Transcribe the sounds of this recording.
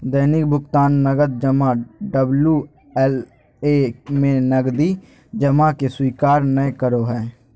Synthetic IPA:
d̪əːnɪk̚bʱʊkt̪aːnːəɡəd̪̚d͡ʒəmãːɖəbluː | ɛl | eːmẽːnəɡd̪iː | d͡ʒəmaːkeswiːkaːɾnəẽkəɾoːɦɛː

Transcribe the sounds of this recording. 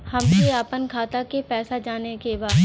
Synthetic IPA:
hɐmkeaːpənkʰaːt̪akepɛːsad͡ʒaːnekebaː

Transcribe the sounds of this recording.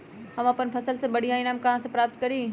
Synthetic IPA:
hɐmɐpənpʰɐsəlsẽbɐɽ̤iaːĩnaːmkɐɦãsãpɾaːp̚t̪̚kɐɾiː

